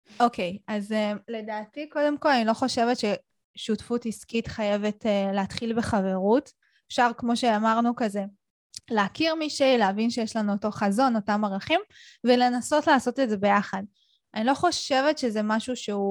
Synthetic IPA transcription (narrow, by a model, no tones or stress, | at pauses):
ʔo̞ke̞jʔazemle̞daːtiko̞de̞mko̞lanilo̞χo̞ʃe̞vetʃe̞ | ʃutfutiskitχaje̞vetːleatχilbe̞χave̞ʁut | efʃaʁkmo̞ʃe̞amaʁnukaze̞ | leːkiʁmiʃeileavinʃejeʃlanuoto̞χazo̞no̞tamaʁaχim | vele̞naso̞tlaːso̞tedzebe̞jaχad̚ | anilo̞χo̞ʃe̞vetʃe̞zemaʃuʃeu